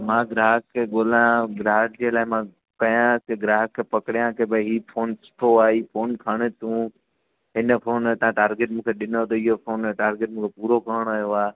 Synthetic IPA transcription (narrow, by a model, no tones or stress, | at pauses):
mãːɡɾaːɦəkʰːeːɠoːlaj̃ɡɾaːɦəʈ̚d͡ʑeːlaːɪmã | kɐjãkeɡɾaːɦəkʰːepɐkɪɽijãkʰebəɦiːfʰoːnsʊ̥ʈʰoaːiːfʰoːnkʰaɽ̃ət̪ũː | ɦɪnə̆fʰoːnt̪ɐãʈaːɾɡɪʈ̚mũːkʰeɗɪnot̪ɐɪɦofoːnʈaːɾɡɪʈ̚mũːkʰepuːɾokəːɽ̃ajoaː